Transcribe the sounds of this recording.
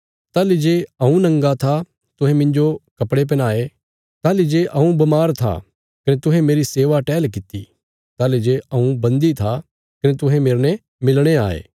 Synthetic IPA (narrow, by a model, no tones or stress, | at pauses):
t̪aːlid͡ʒeːɐũnɐ̃ŋɡat̪ʰa | t̪ʊɦɛ̃mɪ̃ɲd͡ʒokɐpɽep̬ɐnaːe | t̪aːlid͡ʒeːʔɐũbɐmaːɾt̪ʰa̰ | kɐnet̪ʊɦɛ̃meːɾiseːʋaʈɛːlkɪt̪ḭ | t̪aːlid͡ʒeːɐũbɐ̃nd̪it̪ʰa | kɐnet̪ʊɦɛ̃meːɾnɛ | mɪlɽ̃eaːḛː